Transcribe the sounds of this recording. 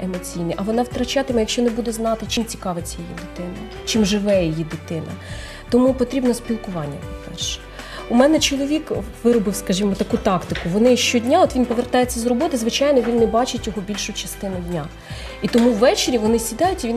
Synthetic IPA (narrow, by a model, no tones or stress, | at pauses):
emɔt͡sʲijniʔɐʋɔnɑʋt̪ɾɐt͡ʃɑt̪ɪmɛjɐkʃt͡ʃɔnebud̪ɛznɑt̪ɪt͡ʃɪnt͡sʲi̥kɑʋɪt͡sʲːɐjijḭd̪ɪt̪ɪnɐ | t͡ʃɪmʒɪʋɛjijid̪ɪt̪ɪnɐ̰ | t̪ɔmupɔt̪ɾʲibnɔspʲilˠkʊʋɑnʲːɐ̰pɔpɛ̰rʃɛ̥ | ʊmɛnɛt͡ʃɔlˠɔʋʲikʋɪɾɔbɪwskɐʒimɔt̪ɐkut̪ɑkt̪ɪkʊʋɔnɪʃt͡ʃɔdʲnʲaɔt̪ʋʲinpɔʋert̪ɑjet͡sʲːɐzrɔbɔt̪ɪzʋɪt͡ʃɑjnɔʋʲinːɛbɑt͡ʃɪtʲjɔɦɔbʲilʲʃʊt͡ʃɐst̪ɪnʊdʲnʲa | it̪ɔmuwːɛt͡ʃeɾʲiʋɔnɪsʲid̪ɑjʊtʲiʋʲin